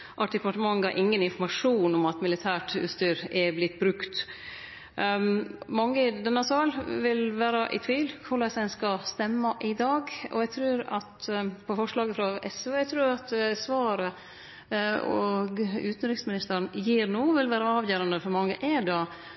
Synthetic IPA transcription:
ʔɑʈ̪d̪ɛpʰɑʈəmɑŋɑɾʔɪŋːənɪnfɔɾmɑʂuːnɔmɑt̪mɪlɪt̪ʰæːʈʉ̰ːt̪st̪yːɾɛblɪt̪ːbɾʉkt̪ | mɑŋːəd̪ɛnːəsɑːlʋɪlʋæːɾɑʔɪ̰t̪ʰʋiːlkʰʊɭæɪsæɪnskɑst̪ɛmːəʔɪd̪ɑːɡʔɔ̰ɛɡ̚t̪ʰɾʉːɾɑ̰t̪pʰɔfɔʂɭɑːɡəfɾɑɛsøːɛɡt̪ʰɾʉːɾɑt̪sʋɑːɾə | ɔ̰ɡʉːt̪ən̩ɾɪksmɪnɪst̪əɾnjiːɾnoːʋɪlʋæːɾɑɑːʋjæːɾɑnd̪əfɔɾmɑŋːəʔɛɖɑ

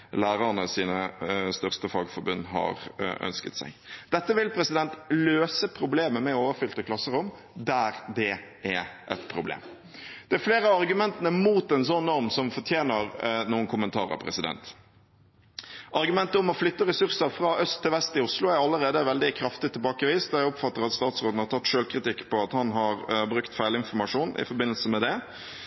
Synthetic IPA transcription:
læːɾɑnəsiːnəst̪œʁst̪əfɑːɡfɔɾbʉnːɦɑ̰ɾʔœ̰nskət̪sæ̰ɪd̪̥ɛt̪ːəʋɪlpʰɾɛsɪd̪ɛnt̪løːsəpʰɾʊbleːməmɛoːʋəɾfʏlt̪əklɑsːəɾʊm | d̪æːɾd̪ɛ | æʔɛt̪pʰɾʊblḛːm | d̪̥ɛæɾfleːɾəɑʁɡʉmɛnt̪ənəmuːt̪ɛnsɔnːɔɾmsɔmfɔt̪ʰjeːnəɾnuːənkʰʊmənt̪ʰɑ̰ːɾə̰pʰɾɛ̰sɪd̪ɛ̰nt̪ | ʔɑɾɡʉmɛnt̪əɔmɔflʏt̪ːəɾɛsʉɾsəɾfɾɑʔœst̪ʰːɪlʋɛst̪ːɪlʊslʊæɾɑlːəɾeːd̪əʋɛld̪ɪkʰɾɑft̪ɪt̪ʰːɪbɑːkəʋiːsd̪æɪɔpfɑt̪ːəɾɑt̪st̪ɑːt̪sʁoːd̪n̩hɑɾtʰɑt̪ːʂøːlkʰɾɪt̪ɪkːpɔɑt̪hɑnɦɑɾbɾʉkt̪fæɪlɪɪnfɔɾmɑʂuːnʔɪ̰fɔɾbɪnːəlsəmɛd̪ɛ

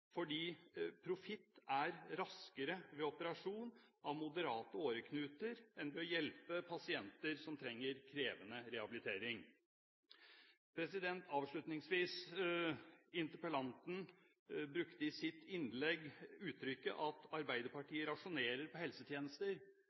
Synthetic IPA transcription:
fɔɖiːpʰɾʊfɪt̪ːæɾɾɑskəɾəʋɛːɔpəɾɑʂuːnɑʋmʊd̪əɾɑːt̪əoːʋəkʰnʉːt̪əɾɛnʋɛɔjɛlpəpʰɑsɪɛnt̪əɾsɔmt̪ʰɾɛŋːəɾkʰɾeːʋənəɾɛhɑbɪlɪt̪ʰeːɾɪŋ | pʰɾɛsɪd̪ɛnt̪ʰɑːʋʂɭʉt̪nɪŋsʋiːs | ɪnt̪əpəlɑnt̪n̩ | bɾʉkt̪əɪsɪt̪ːɪnlɛɡʉːt̪ʰːɾʏkːəʔɑt̪ɑɾbæɪd̪əɾpɑʈʰiːəɾɑʂʊneːɾəɾpɔhɛlsət̪ʰjeːnəst̪əɾ

